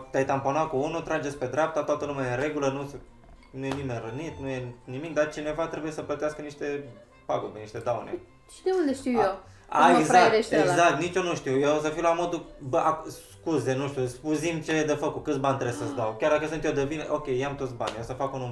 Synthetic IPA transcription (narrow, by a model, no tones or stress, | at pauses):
t̪eajt̪amponakuunut̪ɾad͡ʒesʲpe̞d̪ɾap̚t̪at̪oat̪əlumaiɾe̞ɡulənus | nujenime̞nrɨnit̪nujenimik̚d̪art͡ʃine̞vat̪ɾebuje̞səplət̪easkəniʃt̪e̞ | paɡubeniʃt̪e̞d̪awnḛ | t͡ʃd̪eund̪eʃt̪iujew | a̰eɡzpɾaaeɾeʃt̪eeɡakt̪nit͡ʃo̞nuʃt̪iwjeos̬əfiwlamo̞d̪ubəʔaks | kuze̞nuʃt̪ʲjuspuzimt͡ʃe̞d̪əfəkut̪̚kɨt̪sbanʲt̪ɾesəsd̪awkʲjard̪akəsɨnt̪jed̪evin̰ʔokʲejeamt̪o̞t̪sʲba̰nʲjewsəfakunum